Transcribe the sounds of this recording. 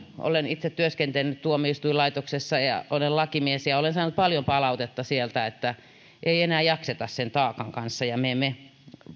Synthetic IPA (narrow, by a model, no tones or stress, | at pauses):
ʔo̰lenit̪set̪tyøskent̪enːyt̪t̪uomːˑiist̪uilɑit̪oksesːɑjɑ̰ʔolellɑkimiesjɑolensɑːnut̪̚pɑljompɑlɑut̪et̪ːɑsielt̪æet̪ːæ | ʔeienæːjɑkset̪ɑssent̪ɑːkɑŋkɑnsːɑjɑmeme